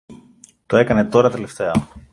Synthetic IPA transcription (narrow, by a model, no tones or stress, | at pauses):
t̪oe̞kɐne̞t̪o̞ɾɐt̪e̞le̞ft̪e̞ɐ